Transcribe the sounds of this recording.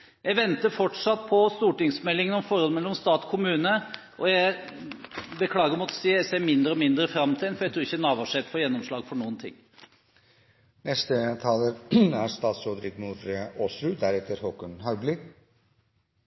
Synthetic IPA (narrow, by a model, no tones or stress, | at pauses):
jæɪʋɛnt̪əfɔʈʂɑt̪ːpʰɔst̪uːʈɪŋsmɛlːɪŋənɔmfɔɾɔlmɛlːɔmst̪ɑːt̪kʰʊmʉːnə | ʔɔjæɪ | bəkʰlɑːɡəɾmɔt̪ːsiːəæseːɾmɪnd̪əɾəɔmɪnd̪ɾəfɾɑmt̪ʰɪɛnfɔɾjæɪt̪ʰɾuːɾɪçːənɑːʋɑʂɛt̪fɔɾjɛnːɔmʂɭɑːɡfɔɳuːənt̪ʰɪ̰ŋː | nɛst̪ət̪ʰɑːləɾæɾst̪ɑːt̪sɔd̪ɾɪɡmuːɾoːsɾʉd̪æɾɛt̪ʰːəɾhɔkənhɑʉblɪ